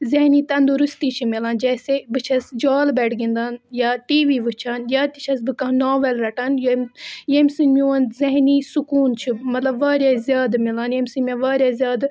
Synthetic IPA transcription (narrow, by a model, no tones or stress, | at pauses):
zeɦniːt̪ɐnd̪uɾust̪iːt͡ʃʰimilaːnd͡ʒɛːsebɨt͡ʃʰɐsd͡ʒaːlbɛːʈʰɡĩnd̪aːnjaːʈiːʋiːʋɨt͡ʃʰaːnjaːt̪it͡ʃʰɐsbɨkɐɦnaːʋelɾɐʈɐnjɐmjemsɨnmʲuɐnzɐɦniːsukuːnt͡ʃʰimɐt̪lɐbʋaːɾʲjaːzjaːd̪milaːnjɐmʲsɨnmʲãʋaːɾʲjaːzjaːd̪